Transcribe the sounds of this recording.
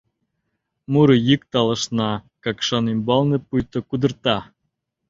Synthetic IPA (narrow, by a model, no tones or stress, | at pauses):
muɾɤjik̚t̪ɑlə̆ʃnɑkɑkʃɑnimbɑlnĕpujt̪ŏkud̪ə̆rt̪ɑ